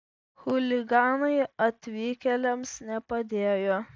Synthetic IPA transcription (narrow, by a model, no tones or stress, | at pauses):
xʊlʲɪɡɑːnɐɪɐt̪ʲʋʲiːkʲɛlʲɛmsnʲɛpɐd̪ʲeːjoː